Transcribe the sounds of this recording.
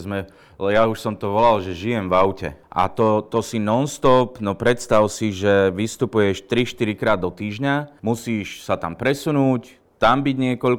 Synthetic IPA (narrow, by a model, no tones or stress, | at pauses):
zmɛ | lɛjauʃsɔmt̪ɔʋɔlalʒɛʒijɛmvaʊcɛ̰ʔa̰t̪ɔt̪ɔsinɔnst̪ɔpnɔpɾɛt̪st̪awsiʒɛʋist̪upujɛʃt̪ɾiʃt̪iɾikɾaːd̪ːɔt̪iːʒɲamusiːʃsat̪ampɾɛsunuːc | t̪ambiɟɲɪɛkɔʎ